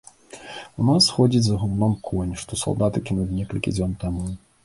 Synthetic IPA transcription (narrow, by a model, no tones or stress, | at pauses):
unasxɔd͡zʲid͡zʲzɐɣumnɔmkʰɔnʲʂt̪ɔsa̰lˠd̪at̪ɨkʲinɐzʲnʲɛkɐlʲkʲḭd͡zʲɔnt̪amu